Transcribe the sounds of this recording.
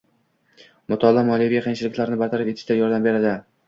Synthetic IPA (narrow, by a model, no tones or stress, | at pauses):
mʊt̪ʰɒlˠamɒlijvijaqʰejŋt͡ʃʰɪlɪkʲlaɾnɪbaɾt̪ʰaɾɪpeɪ̥ʃt̪ajɒɾd̪ambe̞ɾad̪ɪ